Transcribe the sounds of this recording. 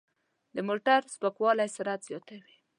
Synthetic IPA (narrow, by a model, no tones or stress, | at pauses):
d̪əmoʈaɾspəkwɑlajsaɾat̪z̥jɑt̪awi̥